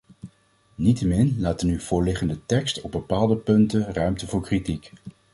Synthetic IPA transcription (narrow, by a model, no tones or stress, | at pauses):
nitəmɪnlaːtənyv̥ʊːɹlɪχəndətɛkstɔb̚bəpaːlˠdəpɵntənrœɥmtəvʊːɹkritik